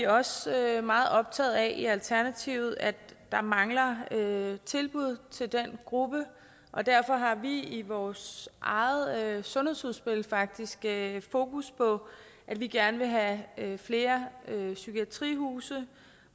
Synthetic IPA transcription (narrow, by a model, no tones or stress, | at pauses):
iɒ̽sømɑ̈ːð̩ˠɒ̽b̥̚t͡sʰɛ̰ːð̩ˠæʔiælt͡sʰæɐnæt͡sʰiʊð̞̩ˠædd̥ɑ̈mɑ̈ŋlɐøt͡sʰe̝lb̥uð̰ˠt͡sʰe̝ld̥enɡ̥ʁub̥ə | ʔɒ̽d̥æɐfɒ̽ɦɑ̈ʋiiʋɒːsʔɑ̈ɪð̩ˠsɔ̽nhe̝̰shuðˠsb̥e̝lfɑ̈ɡ̥̚d̥isɡ̥fo̝ːkuspʰɒ̽ | ʔæd̥ʋiɡ̥æɐnəʋe̝ɦæfle̝ːɐøsykʰiæt͡sʰʁḭːɦuːsə